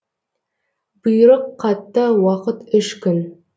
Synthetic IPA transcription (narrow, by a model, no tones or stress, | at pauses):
bəjɾəqʰːɑt̪ːəwɑqət̪ɪʃkʲʰʏn